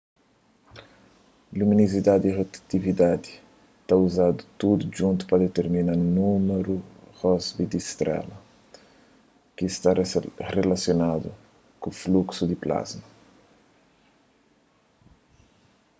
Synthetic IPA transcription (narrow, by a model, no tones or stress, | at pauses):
luminizid̪ad̪iʁot̪t̪ivid̪ad̪i | t̪auzad̪ut̪ud̪ud͡ʒũnt̪u̥pɾɐd̪et̪eɾminaɾnumeɾuʁɔzbid̪ist̪ɾɛ̰lɐ | kist̪arelasjonad̪ṵ | kufluksud̪ipla̰zmɐ